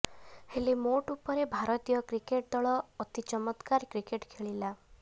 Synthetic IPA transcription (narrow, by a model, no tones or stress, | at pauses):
helemoʈupɔɾebʱaɾɔt̪ijɔkɾikeʈ̚d̪ɔɭɔːt̪it͡ʃɔmɔt̪kaɾkɾikeʈkʰeɭila